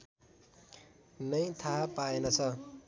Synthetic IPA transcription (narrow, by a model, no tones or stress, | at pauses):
nʌjt̪ʰaɦapaenʌt͡sʰʌ